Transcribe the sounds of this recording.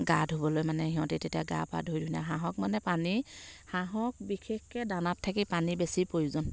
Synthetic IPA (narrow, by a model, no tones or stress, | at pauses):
ɡadʱobɔlojmanɛhiɦɔ̃titetijaɡa̰pa̰dʱojdʱujna̰ɦaɦɔk̚manɛpanihaɦɔk̚bikʰexkɛdanatʰːak̬ipanibesipojzɔn